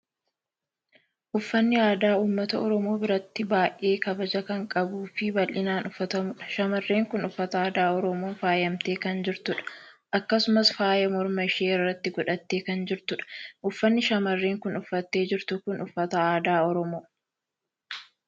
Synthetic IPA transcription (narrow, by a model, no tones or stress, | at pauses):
ʔʊfːɐnːɪaːd̪aːuːmːɐt̪ɐɔɾɔmoːbɪɾɐt̪ːɪbaːjʔʔe̞ːkɐbɐd͡ʒɐkɐŋkʼɐbuːfɪbɐlʔɪnaːnʊfːɐt̪ɐmʊᶑɐ̥ʃɐmɐrːe̞ːŋkʊnʊfːɐt̪ɐaːd̪aːɔɾɔmoːnfaːjɐmt̪eːkɐnd͡ʒɪɾt̪ʊᶑɐ̥ | ʔɐkːɐsʊmɐsfaːjɐmɔɾmɐɪʃeːrːɐt̪ːɪɡɔᶑɐt̪ːe̞ːkɐnd͡ʒɪɾt̪ʊᶑɐ̥ʔʊfːɐnːɪʃɐmɐrːeːŋkʊnʊfːɐt̪ːe̞ːd͡ʒɪɾt̪ʊkʊnʊfːɐt̪ɐaːd̪aːɔɾɔmoː